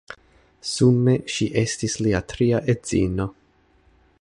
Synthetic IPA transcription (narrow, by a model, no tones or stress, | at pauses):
sume̞ʃiʔe̞stisliatɾiaʔe̞z̥ḭno̞